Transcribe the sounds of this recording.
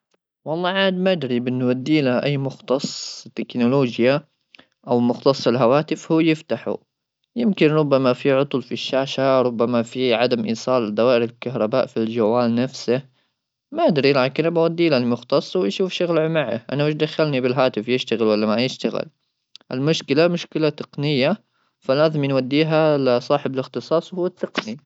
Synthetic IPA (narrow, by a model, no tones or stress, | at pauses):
wɑlˤːɑːʕaːd̪maʔad̪ɾibʔɪnːʊwad̪ːiːlaʔajːmʊxt̪ɑsˤt̪ːɪknʊloːd͡ʒja | ʔawmʊxt̪ɑsˤːɪlɦawaːt̪ɪfhuːjɪft̪aħṵ | jɪmkɪnɾˤʊbːamafiʕʊt̪ˤʊlfiʃːaːʃaɾˤʊbːamafiʕad̪amʔiːsˤɑːld̪awaːʔɪɾɪlkaɦɾˤɑbaːʔfild͡ʒawːaːlnafsɪ | maʔad̪ɾilʕakɪnabawad̪ːiːlalmʊxt̪ɑsˤːwɪʃuːfʃaɣlʕʊmaʕa̰ʔa̰nawɪʃ̬d̪axːalnibɪlɦaːt̪ɪfjɪʃt̪aɣɪlwalːamajɪʃt̪aɣɪ̰l | ʔɪ̰lmʊʃkɪlamʊʃkɪlat̪ɨqnɪjːa | falaːðmɪnwad̪ːiːɦalsˤɑːħɪblɪxt̪ɨsˤɑːsˤwhuːat̪ːɨqni